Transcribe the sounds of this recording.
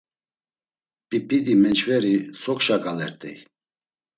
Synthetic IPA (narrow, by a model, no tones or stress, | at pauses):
pʼipʼid̪imɛnt͡ʃʰvɛɾisɔkʃakʼalɛɾt̪ʼɛ̰j